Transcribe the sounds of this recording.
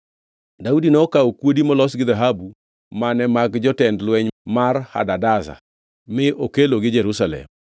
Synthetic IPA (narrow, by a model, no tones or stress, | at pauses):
daudinɛɔkaokwodimɔlɔsɡɪðaɦabu | manɛmaɡd͡ʒɔtɛndlwɛɲmarha̰dadaza̰ | mɪʔokeloɡɪd͡ʒɛɾusalɛ̰m